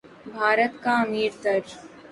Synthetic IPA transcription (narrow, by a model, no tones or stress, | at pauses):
bʱaːɾət̪kaɐmiːɾt̪əɾd͡ʒ